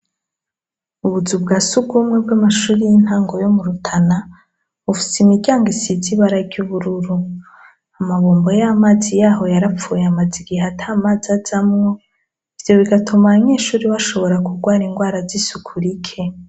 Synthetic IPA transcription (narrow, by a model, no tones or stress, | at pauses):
uβuzubɡaːsuɡumŋe̞b̚ɡamaʃuːɾijin̥haːŋɡo̞jo̞muɾutʰana | βufi̥seimiɡɟaːŋɡisiziβaɾaɟuβuɾuɾu | amaβuːmbo̞jamaːzijaːɦo̞jaɾafuːjeamad͡ziɡiɦatʰamazazamŋo̞ | ivjo̞βiɡatʰomaɲeːʃuːɾiwaʃo̞βo̞ɾakuɡwaːɾiŋɡwaːɾazisukʰuɾikʰe̞